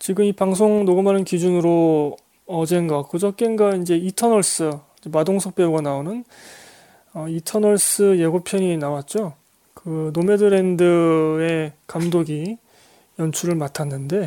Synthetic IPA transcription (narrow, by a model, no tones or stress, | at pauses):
t͡ɕiɡɯmipaŋs̬ʰoŋnoɡɯmanɯnkid͡ʑunɯɾo | ʌd͡ʑe̞nɡakɯd͡ʑʌk͈e̞nɡaind͡ʑe̞itʰʌnʌɭs͈ɯ | d͡ʑemadoŋsʰʌk̚p͈e̞uɡanaonɯn | ʌitʰʌnʌɭs͈ɯjeɡopʰjʌɲinawat̚t͡ɕ͈o | kɯnome̞dɯɾe̞ndɯe̞kamdoɡi | jʌnt͡ɕʰuɾɯɭmatʰanːɯnde̞